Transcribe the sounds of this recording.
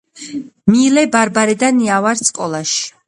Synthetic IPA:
milɛbaɾbaɾɛd̪aniavaɾsʼkʼɔlˠaʃi̥

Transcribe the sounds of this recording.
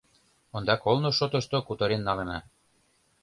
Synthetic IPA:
ond̪ɑkolnoʃot̪ə̆ʃt̪okut̪ɤ̆ɾenːɑlenɑ̰

